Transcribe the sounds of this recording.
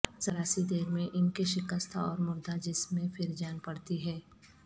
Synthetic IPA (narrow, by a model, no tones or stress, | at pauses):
zɐɾaːsid̪eːɾmẽʔɪnkeʃɪkəst̪ʰa̰ɔːɾmʊɾd̪ad͡ʒɪsmẽfʰɪɾd͡ʒaːnpɐɽt̪iɦɛː